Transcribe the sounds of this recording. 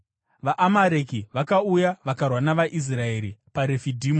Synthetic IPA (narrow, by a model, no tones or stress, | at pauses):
ʋaʔamaɾekiʋakaujaʋakarwanaʋaʔis̬rae̞ɾipaɾe̞fidʱiːmo